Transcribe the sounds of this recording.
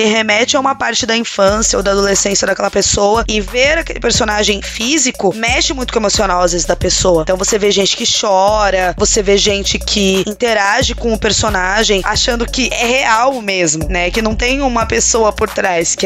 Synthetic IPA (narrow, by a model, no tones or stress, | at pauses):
ɪhemɛt͡ʃɪaũmɐpaɾt͡ʃɪd̪ɐĩfɐ̃sjɐo̰d̪ɐad̪olesẽsjɐd̪ɐkɛlɐpesowɐɪveɾakḛlɪpeɾsonaʒẽj̃fizikʊmɛʃɪmũj̃t̪ʊemosionawazvezɪzd̪ɐpesowɐt̪ɐ̃w̃voseveʒẽnt͡ʃɪ̥kɪʃɔɾɐvoseveʒẽnt͡ʃɪkʰɪĩnt̪eɾaʒɪkõʊpeɾsonaʒẽj̃aʃɐ̃nd̪ʊkɪʔɛheawmezmʊnɛkɪnɐ̃w̃t̪ẽj̃ũmɐpesoɐpoɾt̪ɾajskɪ